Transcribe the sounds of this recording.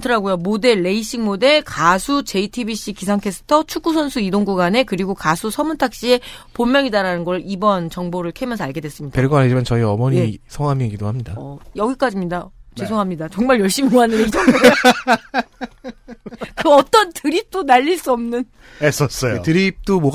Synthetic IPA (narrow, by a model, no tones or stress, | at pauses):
tʰɯɾaɡojomode̞ɭːe̞iɕ͈iŋmode̞ɭkasʰut͡ɕe̞itʰibiɕ͈ikisʰaŋkʰe̞s͈ʰɯ̥tʰʌt͡ɕʰuk͈usʰʌnsʰuidoŋɡuɡane̞kɯɾiɡokasʰusʰʌmuntʰak̚ɕ͈iepomːjʌŋidaɾanɯnɡʌɭibʌnt͡ɕʌŋboɾɯɭkʰemjʌsʰaɭɡe̞dwes͈ɯmɲid̥apeɭɡanɦed͡ʑimant͡ɕʌiʌmʌɲisʰʌŋamiɡidohamɲidaʌjʌɡik͈ad͡ʑimɲidat͡ɕesʰoŋɦamɲidat͡ɕoŋmaɭjʌɭɕ͈imoanɯnet͡ɕʌŋo | kɯʌt͈ʌntɯɾip̚t͈onaʎːiɭs͈uʌmnɯn | es͈ʌs͈ʌjotɯɾip̚t͈omo